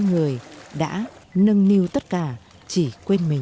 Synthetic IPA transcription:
ŋɨ˨˩əjɗa̰ː˧˥nə˧ŋni˧wt̪ə˦˥t̚kaː˧˩ | t͡ɕi˧˩kwe˧nmï˨˩

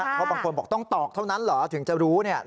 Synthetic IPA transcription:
pʰɔ˦˥baː˧ŋkʰo˧nbɔː˨˩k̚t̪ɔ˥˩ŋt̪ɔː˨˩k̚t̪ʰa˥˩wna˦˥nlɔː˩˦t̪ʰɯ˩˦ŋt͡ɕa˨˩ɾuː˦˥ni˥˩ɐ

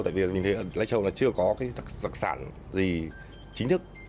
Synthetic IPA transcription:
t̪a̰ː˧˨jvi˨˩˨mi˨˩ŋ̟t̪ʰə˨˦ʔəː˧˩la̰ː˧˥˦jt͡ɕə˧˩wnla˨˦t͡ɕɨ˧əkɔ˨˦kaː˨˦jt̪ʰk̚t̪a˨˩k̚sa̰ː˧˩˨n | zi˨˩ | t͡ɕï˨˦ŋ̟t̪ʰɨ˦˥k̚

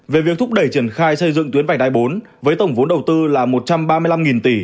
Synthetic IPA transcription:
ve˨˩vi˨˩ək̚t̪ʰʊ˦˥ɗə˧˩jt͡ɕi˧˩ənxaː˧jsə˧jzɨ̰˧˨ŋt̪wi˨˦ənva̟˧˩ɗaː˧˩jɓo˨˦n | vəː˨˦jt̪ə˧˩wŋ͡mvo˨˦nɗə˨˩wt̪ɨ˧laː˨˩mo˨˩t̚t͡ɕa˧mɓaː˧mɨ˧jla˧mŋi˨˩nt̪i˧˩

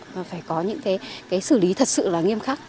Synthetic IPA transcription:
vaː˨˩faː˧˩jkɔ˨˦ɲɨ̰˧˥ŋkaː˨˦jkaː˨˦jsɨ˧˩li˨˦t̪ʰə˨˩t̚sɨ̰˧˨laː˨˩ŋi˧əmxaː˦˥k̚

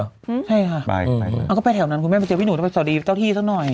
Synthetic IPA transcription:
t͡ɕʰa˥˩jkʰa˥˩a̰˧ja˧˩kɔː˥˩pa˧t̪ʰɛː˨˩˦wna˦˥nkʰu˧nmɛː˥˩pjt͡ɕɤ˧wi˥nuː˨˩˦sa˨˩diː˧t̪a˥˩t̪ʰiː˥˩sa˦˥˩k̚nɔ˨˩j

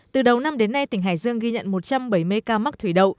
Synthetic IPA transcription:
t̪ɨ˨˩ɗə˨˩wna˧mɗe˨˦nːa˧jt̪ï˧˩ŋ̟ɦa̰ː˧˩˨jzɨ˧əŋɣi˧ɲə̰˧˨nmo˨˩t̚t͡ɕa˧mɓə˧˩jmɨ˧əjkaː˧ma˦˥k̚t̪ʰwi˧˩ɗə˨˩w

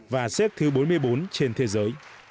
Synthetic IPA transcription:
vaː˨˩sɛ˦˥k̚t̪ʰɨ˨˦ɓo˨˦nmɨ˧əjɓo˨˦nt͡ɕe˧nt̪ʰe˨˦zəː˨˦j

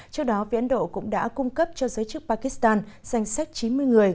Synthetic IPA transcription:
t͡ɕɨ˦˥ək̚ɗɔ˨˦vi˨˧˥ʔə˨˧˦nɗo̰˧˨kʊ̰˧˥ŋ͡mɗa̰ː˧˥kʊ˧ŋ͡mkə˦˥p̚t͡ɕɔ˧zəː˨˦jt͡ɕɨ˦˥k̚paː˧ki˧˦˥st̪aː˧nz̥a˧jŋ̟sa˦˥jk̟̚t͡ɕi˨˦nmɨ˧əjŋɨ˨˩əj

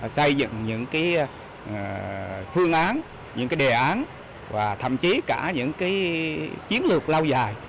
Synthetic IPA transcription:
sə˧jzɨ̰˧˨ŋɲɨ̰˧˥ŋkaː˨˦j | fɨ˧əŋʔaː˨˦n | ɲɨ̰˧˥ŋkaː˨˦jɗe˨˩ʔaː˨˦n | vaː˨˩t̪ʰə̰˧˨mt͡ɕi˨˦kaː˧˩ɲɨ̰˧˥ŋkaː˨˦jt͡ɕi˨˦ənlɨ˨˩ək̚laː˧wza̰ː˧˨j

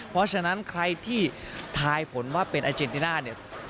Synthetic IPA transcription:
pʰɔ˦˥t͡ɕʰa˧na˦˥nkʰɾa˧jt̪ʰiː˥˩ | t̪ʰaː˧jpʰo˩˦nwaː˥˩pe˧nʔaː˧t͡ɕe˧nt̪i˧naː˥˩ni˥˩ɐ

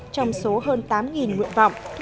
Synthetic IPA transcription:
t͡ɕɔ˧wŋ͡mso˨˦ɦəː˧nt̪aː˨˦mŋi˨˩nŋḭ˧˨ənvɔ̰˧˨wŋ͡m

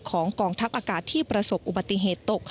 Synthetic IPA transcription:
kʰɔː˩˦ŋkɔː˧˩ŋt̪ʰa˦˥p̚ʔaː˧kaː˨˩t̪ʰːiː˥˩pɾa˧so˨˩p̚ʔu˨˩ba˨˩t̪ːi˧˨ɦeː˨˩t̪ːo˨˩k̚

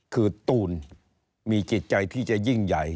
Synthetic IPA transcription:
kʰɯː˧t̪uː˧n | miː˧t͡ɕi˨˩t̪̚t͡ɕa˧jt̪ʰiː˥˩t͡ɕa˨˩ji˥˩ŋja˨˩j

